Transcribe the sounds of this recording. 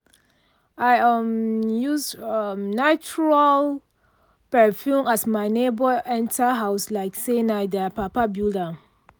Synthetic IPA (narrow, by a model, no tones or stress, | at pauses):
ajamjusɔmnat͡ʃuɹal | pɛfjũmasmaɪnebəʔɛ̃ntʰaɦaʊslaɪksẽnaɪdəpapabjuda